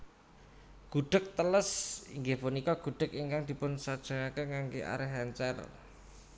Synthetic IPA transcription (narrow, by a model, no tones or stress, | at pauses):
ɡ̥ṳɖ̥ək̚t̪ələsḭŋɡefunikɔɡ̥ṳɖ̥ə̤kiŋkaŋd̪̥i̤pʊnsad̥ʒ̥ə̤ŋakəŋaŋɡeʔa̰ɾɛɦɛnt͡ʃɛr